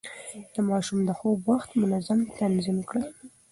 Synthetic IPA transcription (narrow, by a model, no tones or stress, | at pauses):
d̪̥əmɑʃumd̪əxobwaxt̪mʊnazamt̪anzimkɽə